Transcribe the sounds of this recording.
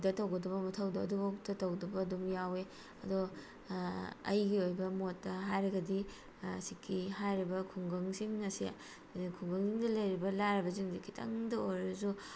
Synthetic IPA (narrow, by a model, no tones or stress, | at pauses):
dɐtɐwɡɐdɐβɐmɐtʰɐwdɐɐduɡak̚tɐtɐwdɐbɐːdumjawe | ɐdo | ɐ̰jɡiojbɐmotːɐɦajɾɐɡɐdi | sikʰːihajɾibɐkʰuŋɡɐŋsiŋnɐsia̰ | kʰuŋɡɐŋsiŋdɐlɐjɾibɐlaɾɐbɐziŋdikʰitʰɐ̰ŋdɐojɾɐzu